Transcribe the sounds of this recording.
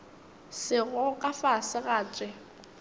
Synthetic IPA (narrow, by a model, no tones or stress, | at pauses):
sɪɣʊkʼafasɪɣaːt͡sʼɪ